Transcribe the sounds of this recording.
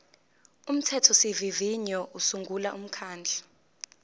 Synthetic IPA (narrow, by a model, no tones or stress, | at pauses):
um̩tʰɛtʰɔsiviviɲɔʔusuŋɡʱulaʔum̩kʰaːnd͡ɮʱḁ